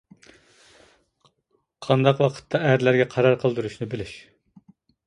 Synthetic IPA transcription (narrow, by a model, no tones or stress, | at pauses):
qʰɑnd̪ɑqwɑqʰə̥t̪ʰːɑæɾlæɾɡʲɛqʰɑɾɑɾqʰəlˠd̪uɾuʃnɨbɪlyʃ